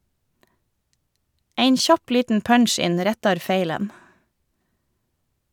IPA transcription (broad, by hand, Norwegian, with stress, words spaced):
ˈæɪn ˈçɑp ˈliːtn̩ ˈpœnˌʃɪn ˈɾɛtɑɾ ˈfeɪlən